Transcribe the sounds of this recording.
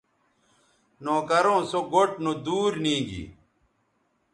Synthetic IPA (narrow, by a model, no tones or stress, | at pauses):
noːkɐɾõːsoɡoʈ̚nod̪uːɾnĩːɡḭː